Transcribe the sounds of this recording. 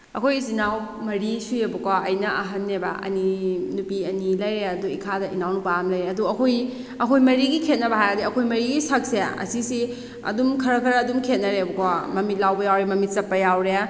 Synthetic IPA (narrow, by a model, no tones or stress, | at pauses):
ɐ̰kʰojzinaw | mɐɾisuebɐkwaɐjnɐʔɐɦɐnːebɐ̰ɐ̰ninupiɐnilɐjɾeɐduikʰadɐʔinawnupaamlɐjɾeɐduɐkʰoj | ɐkʰojmɐɾiɡikʰet̚nɐbɐɦajadiɐkʰojmɐɾiɡisɐk̚seɐ̰sisi | ɐ̰dumkʰɐɾɐkʰɐɾɐɐdumkʰet̚nɐɾebɐkamɐmit̚lawbɐjawɾemɐmit̚sɐpːɐjawɾe